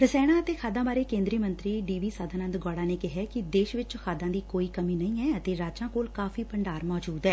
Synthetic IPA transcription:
ɾəsɛːɽ̃aːət̪eːkʰaːd̪ãːbaːɾeːkẽːnd̪ɾiːmənt̪ɾiːɖiːʋiːsaːd̪ʱaːnə̃nd̪ɡɔːɽaːneːkɪɦɛːkɪd̪eːʃʋɪt͡ʃkʰaːd̪ãːd̪iːkoːiːkəmiːnəĩːɛːət̪eːɾaːd͡ʒãːkoːlkaːfʰiːpəɳɖaːɾmɔːd͡ʒuːd̪ɦɛː

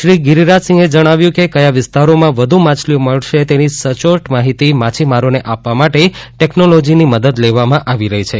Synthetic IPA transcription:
ʃɾiɡiɾiɾasɪ̃ŋɡed͡ʒəɽ̃aʋjũkekəjaʋɪst̪aɾomãʋəd̪ʱumat͡ʃʰlioməɭʃet̪enisət͡ʃoʈmaɦit̪imãt͡ʃʰimaɾoneʔapʋamaʈeʈeknolod͡ʒiniməd̪əd̪leʋamãʔaʋiɾəɦit͡ʃʰe

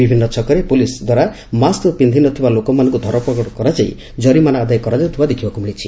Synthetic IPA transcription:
bibʱinːɔt͡ʃʰɔkɔɾepulisd̪waɾa | mastopind̪ʱinɔt̪ʰibalokɔmanɔŋkud̪ʱɔɾɔpɔkɔʈɔkɔɾad͡ʒaj̰ | d͡ʒɔɾimanaad̪ajɔkɔɾad͡ʒaut̪ʰibad̪ekʰibakumiɭit͡ʃʰi

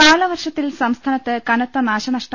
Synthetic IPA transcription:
aːlɐʋɐrʂɐt̪ːilsɐmst̪ʰaːnɐt̪ːɨkɐnɐt̪ːɐnaːɕɐnɐʂʈɐ

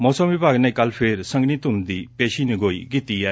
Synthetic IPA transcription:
mɔːsəmʋɪbʱaːɡnɛ̃kɐlpʰeɾsə̃ŋɡnit̪ʊnd̪iːpeːʃiːnɪɡoːḭkit̪iːɛː

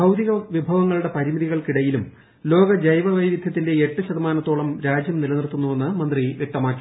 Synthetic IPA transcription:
bʱɐwd̪iɣɐʋibʱɐʋɐŋːɐɭuɽe̞pɐɾimiðiɣɐɭkiɽɐjilum | lo̞ːɡɐd͡ʑɐjʋɐʋɐjʋid̪ʱjɐt̪ːinde̞eʈːɨɕɐðɐmaːnɐt̪ːoːɭɐmɾaːd͡ʑjɐmnilɐnirt̪ːunːuʋe̞nːɨmɐnd̪riʋje̞k̚t̪ɐmaːkːi̥

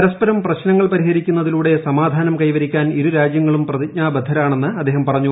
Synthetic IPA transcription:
ɾɐspɐɾɐmprɐɕnɐŋːɐɭpɐɾiɦɐɾikʲːunːɐðiluːɽe̞sɐmaːd̪ʱaːnɐmkɐjʋɐɾikʲːaːniɾuɾaːd͡ʑjɐŋːɐɭumprɐðik̚ɲaːbɐd̪ʱːɐɾaːɳe̞nːɨɐd̪ːe̞ːɦɐmpɐrɐɲːu

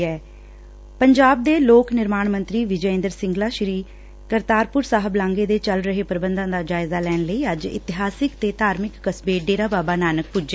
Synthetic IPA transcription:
ɛː | pəɲd͡ʒaːb̚d̪eːloːknɪɾmaːɳmənt̪ɾiːʋɪd͡ʒəɪ̃nd̪əɾsɪ̃ŋɡlaːʃɾiː | kəɾt̪aːɾpʊɾsaːɦəblãːŋɡeːd̪eːt͡ʃəlɾəɦeːpəɾəbənd̪ãːd̪aːd͡ʒaːɪzaːlɛːnləiːəd͡ʒɪ̰t̪ɪɦaːsɪkt̪eːt̪aːɾmɪkːəsbeːɖeːɾaːbaːbaːnaːnək̚pʊd͡ʒeː

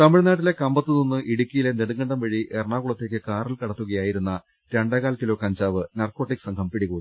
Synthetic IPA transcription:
t̪ɐmiɻnaːʈ̬ːile̞kɐmbɐt̪ːɨnonːɨʔiɽukʲːijileneɽuŋːɐɳɖɐmʋɐɻiʔerɳaːɣuɭɐt̪ːe̞ːkːɨkaːrilkɐɽɐt̪ːuɣɐjaːjiɾunːɐ | ɾeɳɖaːɣaːlkilo̞ːkɐɲd͡ʑaːʋɨnɐrko̞ːʈːikːsɐŋɡʰʱɐmpiɽiɣuːni

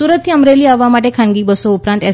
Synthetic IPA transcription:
uɾət̪ʰːiəmɾeliːaʋamaʈekʰãŋɡiːbəsoupɾãnt̪ɛ

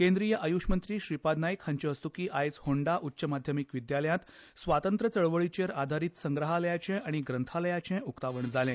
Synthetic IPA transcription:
kẽnd̪ɾijəʔəjuʂmənt̪ɾiːɕɾipad̪najkhaɲt͡ɕeəst̪ukiːʔajt͡shoɳɖaʔutːɕəmad̪ʱjəmikʋid̪jaləjãt̪sʋat̪ənt̪ɾət͡səɭʋəɭit͡ɕeɾad̪ʱaɾiːt̪səŋɡɾəɦaləjat͡ɕɛ̃ʔaɽ̃iɡɾənt̪ʰaləjat͡ɕɛ̃ukt̪aʋəɳd͡zalɛ̃

